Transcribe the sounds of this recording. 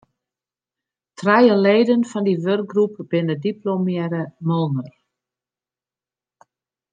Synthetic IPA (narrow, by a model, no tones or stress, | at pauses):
trɛjəleːdənfɔndiʋørk̚ɡrup̚b̥ɪnədiplomjɛɾəmɔlˠnər